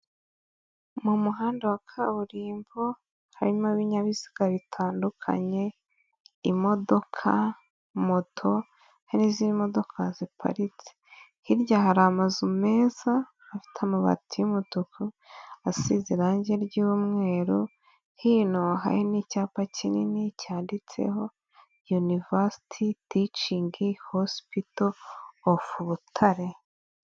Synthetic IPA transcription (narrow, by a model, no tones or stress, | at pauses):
mumuɦaːndawakʰaβuɾiːmbo | haɾiɲmaβiɲaβizi̥ɡaβitʰaːndukʰa̰ɲe̞ | imo̞do̞kʰa | motʰo | henizimo̞do̞kʰazipʰa̰ɾiti̥ | hiɾɟahaɾamazume̞ːza | afi̥tʰamuβa̰tʰijumutukʰu | asiziɾaɲɟeɾɟumŋe̞ːɾu | hinoɦa̰jinicaːpacininicaːndit͡se̞̰ho̞ | junivasi̥tʰitit͡ʃiːŋɡehospitoː | fuβutʰaɾe̞